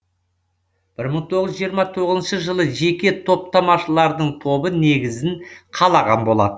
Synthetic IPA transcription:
b̥ɪɾməɴt̪ʰo̞ʁəzʒijəɾmɑt̪ʰo̞ʁəzənʃəʒəlˠəʒe̞kʲe̞t̪ʰo̞p̚t̪ʰɑmɑʃəlˠɑɾd̪əɴt̪ʰo̞bəne̞ɡʲɪzɪnqʰɑlˠɑʁɑnbo̞lˠɑ̰d̪ə

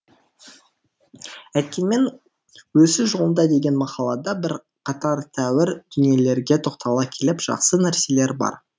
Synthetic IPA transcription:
æt̪̚kʲe̞nme̞n | wɵsɪʒolˠənd̪ɑd̪e̞ɡʲe̞nmɑqɑlˠɑd̪ɑbɪɾ | qʰɑt̪ɑɾt̪ʰæwɪɾd̪̥ʏnije̞le̞ɾɡʲe̞t̪ʰo̞qt̪ɑlˠɑkʲʰe̞lɪpʒ̥ɑ̰qsənæɾse̞le̞ɾbɑ̰ɾ

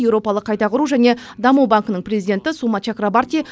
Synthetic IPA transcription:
ewɾo̞pɑlˠəqʰːɑjt̪ɑqʰʊɾuʒæne̞d̪ɑmubaŋkənəɴprʲezijd̪ʲe̞nt̪ɪsumɑt͡ʃakɾabart̪i

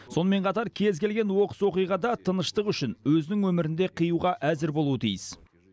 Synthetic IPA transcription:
so̞nəme̞ɴqʰɑt̪ɑɾkʲʰe̞zkʲe̞lɡʲe̞nwo̞qə̥swo̞qijʁɑd̪ɑt̪ʰənəʃt̪əqʏʃɪnwɵzɪnɪŋwɵmɪɾɪnd̪e̞qʰijuʁɑʔæzɪɾbolˠuwət̪ʰijɪs

